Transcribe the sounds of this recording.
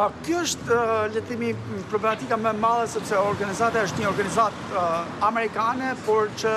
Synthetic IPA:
kjuəʃt̪lət̪imipɾɔblɛmat̪ikamɛmalˠɛsɔpsɛɔɾɡanizat̪aəʃt̪ɲəɔɾɡanizat̪amɛɾikanɛpɔɾt͡ʃə

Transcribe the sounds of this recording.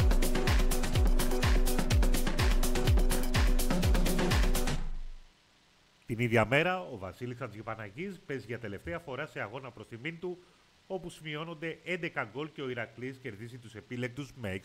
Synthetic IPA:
t̪iniðʝɐme̞ɾɐo̞vɐsilisɐnzʝipɐnɐʝispe̞zʝɐt̪e̞le̞ft̪eɐfo̞ɾɐse̞ɐɣo̞nɐpɾo̞st̪imint̪u | o̞pusmio̞no̞nd̪eʔe̞nd̪e̞kɐɡo̞lce̞o̞iɾɐklisce̞ɾðizit̪use̞pile̞k̚t̪uzmeek

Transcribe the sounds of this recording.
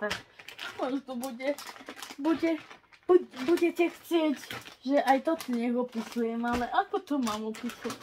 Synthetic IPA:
t̪akɔʒt̪ɔbuɟɛbuɟɛbubuɟɛcɛxt͡sɪɛɟʒɛʔajt̪ɔt̪ɔɲɛɡɔpisujɛmalɛʔakɔt̪ɔmaːmɔpisu

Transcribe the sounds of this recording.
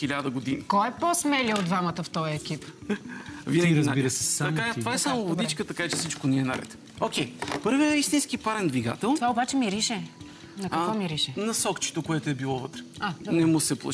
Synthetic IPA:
xilʲad̪əɡod̪inikɔɛposmɛlʲiod̪d̪vamət̪əft̪ɔjɛkip | vinɛɡiɾɐzbiɾəsɛ̥saɐmkat̪ovaɛsamovod̪it͡ʃkət̪ɐkat͡ʃɛsit͡ʃkonɛɛnɐ̰ɾɛ̰t̪ | okʲɛjpɤɾviəist̪inskipaɾɛnd̪viɡa̰t̪ɛlˠt̪ovaobat͡ʃɛmiɾiʃɛ | nɐkɐkvɔmiɾiʃɛnɐsɔkt͡ʃi̥t̪okoɛt̪oɛbilˠɔvɤt̪ɾɛad̪nɛmʊsɛplˠɐ̰

